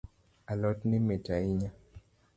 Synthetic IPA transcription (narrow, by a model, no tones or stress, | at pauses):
alɔtnɪmetaiɲa